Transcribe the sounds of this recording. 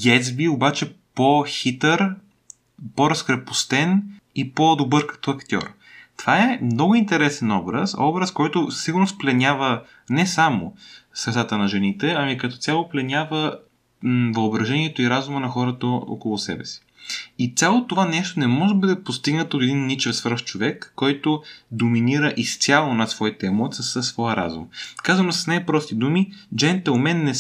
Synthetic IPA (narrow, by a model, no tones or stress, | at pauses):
jɛsbiobat͡ʃɛpoxit̪əɾ | poɾɐskɾɛpost̪ɛn | ipod̪obɤɾkɐ̥t̪ɔɐkt̪ʲɔ̰ɾ | t̪v̥aɛmnɔɡʊint̪ɛɾɛsɛnɔbɾə̰sɔbɾəskɔjt̪ʊsiɡʊɾnosplɛnʲavə | nɛsamo̰sɾɛt̪sat̪ənɐʒɛnit̪ɛɐmikɐt̪ɔ̥t̪sʲalˠoplɛnʲavə | vɐobɾɐʒɛniɛt̪oiɾazumənɐxɔɾət̪əo̰kolˠʊsɛ̰bɛsi̥ | it̪ʲalˠot̪ovanɛʃt̪onɛmɔʒɛbəd̪ɛpost̪iɡnət̪oːt̪ɛd̪inːit͡ʃɛfsvɾ̩ft͡ʃovɛkːɔjt̪ʊd̪ominiɾəʔist̪sʲjalˠonɐt̪svɔit̪əɛmɔt̪sʲəsəsːvɔjəɾa̰zṵmkazvɐnosɐ̥snajpɾɔst̪id̪umid͡ʒɛnt̪ɛomɛnːɛ